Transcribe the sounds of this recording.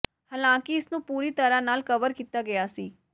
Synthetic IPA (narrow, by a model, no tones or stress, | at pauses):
haːlãːkɪɪsnũːpuːɾiːt̪əɾãːnaːlkəʋəɾkiːt̪aːɡɪjaːsiː